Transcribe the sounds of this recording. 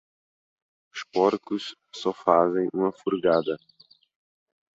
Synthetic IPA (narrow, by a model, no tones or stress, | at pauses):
ʊspɔɾkʊs | sɔfazẽj̃ũmɐfuɾɡad̪ɐ